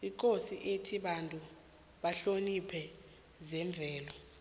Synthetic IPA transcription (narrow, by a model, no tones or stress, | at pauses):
ik̬ʰʼosiʔetʰiɓantʼu | ɓaɬonipʰɛ | zɛɱb̪vʱɛːlɔ